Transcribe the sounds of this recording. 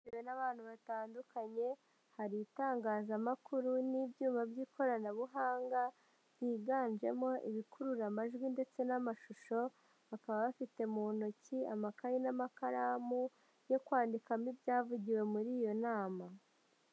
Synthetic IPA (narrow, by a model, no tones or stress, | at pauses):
wenaβaːn̥huβataːndukaɲe̞ | haɾitaːŋɡaːzamakuɾunibjuːmabjiːkʰo̞ɾanaβuɦaːŋɡa | jiːɡaːnd͡ʒe̞̰mo̞ʔiβikuɾuɾamaʒɡwinde̞t͡se̞namaʃuʃo̞ | βakaβaβafite̞munociamakajinamakaɾamu | jo̞kwaːndikamibjaːvuɟiwe̞muɾiːjo̞naːma